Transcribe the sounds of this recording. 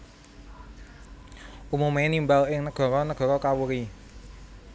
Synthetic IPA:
ʔumumenimbalɪŋnəɡ̥ɔ̤ɾɔnəɡ̥ɔ̤ɾɔkawuɾi

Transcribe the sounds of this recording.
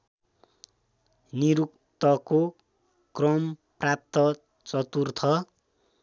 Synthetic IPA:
niɾuk | t̪ʌko | krʌmprap̚t̪ʌ | t͡sʌt̪urt̪ʰʌ

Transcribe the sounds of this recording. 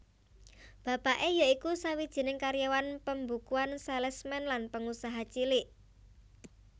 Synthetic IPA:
b̥ä̤paʔejaikusawid̥ʒ̥i̤nɪŋkaɾjawanpəmbukuansɛlɛsmɛnlanpəŋusaɦat͡ʃilɪʔ

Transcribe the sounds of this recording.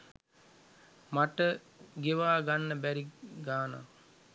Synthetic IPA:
maʈə | ɡeʋaːɡanːəbæɾiɡaːna̰

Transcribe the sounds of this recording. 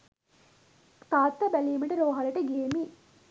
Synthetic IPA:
k̪aːt̪ːɐbæliməʈəɾoːɦalɐʈəɡiemi

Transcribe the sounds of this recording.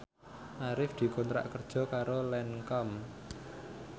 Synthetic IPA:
ʔaɾɪfd̪̥i̤kɔnt̪ɾa̰ʔkərd̥ʒ̥ɔ̤kaɾolɛnkɔm

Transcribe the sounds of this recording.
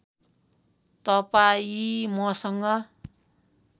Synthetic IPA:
t̪ʌpaimʌsʌŋɡʌ

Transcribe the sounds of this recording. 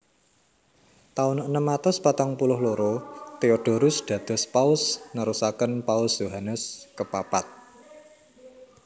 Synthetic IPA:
t̪aʊnənəmːat̪ɔspat̪aŋpulʊhloɾot̪eoɖ̥o̤ɾʊsɖ̪̥ä̤d̪̥ɔ̤spaʊsnəɾusakənpaʊsjoɦanəskəpapat̪̚

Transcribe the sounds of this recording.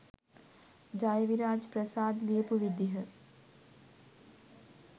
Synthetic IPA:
d͡ʒaːjɐʋiɾaːd͡ʒpɾɐsaːd̪liːpuʋid̪jɐɦɐ

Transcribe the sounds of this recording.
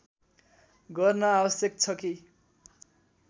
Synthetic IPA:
ɡʌrnʌabʌsjʌk̚t͡sʰʌki

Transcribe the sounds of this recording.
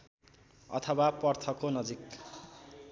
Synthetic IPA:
ʌ̰t̪ʰʌwapʌrt̪ʰʌkonʌd͡zik

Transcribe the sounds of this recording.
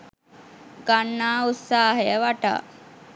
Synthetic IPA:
ɡanːaːut̪saːɦəjəʋaʈa̰ː

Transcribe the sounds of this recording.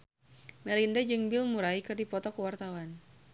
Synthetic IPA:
mɛlindad͡ʒɨŋbilmuɾaikɨrdipɔt̪ɔkəwart̪awan

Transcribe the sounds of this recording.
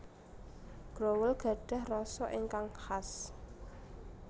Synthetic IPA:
ɡ̥ɾowəlɡ̥a̤ɖ̥a̤hrɔsɔʔiŋkaŋhas

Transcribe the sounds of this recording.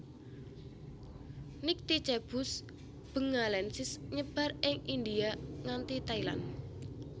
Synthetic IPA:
nɪk̚t̪it͡ʃɛb̥ʊs | b̥ə̤ŋalɛnsɪsɲəb̥a̤rʔɪŋind̪iaŋant̪it̪aila̰n

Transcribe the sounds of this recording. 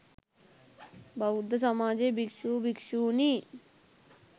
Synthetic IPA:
bʱɐud̪ʱɐs̬ɐmaːd͡ʒeːbikʂuːbikʃuːni

